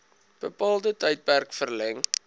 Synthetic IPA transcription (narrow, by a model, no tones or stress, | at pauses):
b̥əpɑːlˠdətəjt̚pærkfərlɛŋ